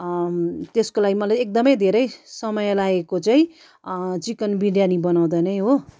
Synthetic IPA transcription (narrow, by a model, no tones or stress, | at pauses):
t̪eskolaɡimʌlajek̚d̪ʌmʌjd̪ʱeɾʌjsʌmʌjlaekot͡saĩ | t͡sikʌnbiɽijanibʌnaw̃d̪anʌjɦo